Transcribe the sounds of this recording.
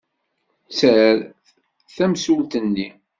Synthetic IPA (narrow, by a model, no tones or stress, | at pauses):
t͡səɾ | θæmsult̪ənːi